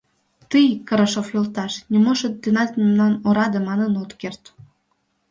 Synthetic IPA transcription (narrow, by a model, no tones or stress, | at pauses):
t̪ɨjkɤɾəʃofjolt̪ɑʃnʲimoʃət̪̚d̪enɑt̪mnɑnoɾɑd̪ĕmɑnənot̪kert̪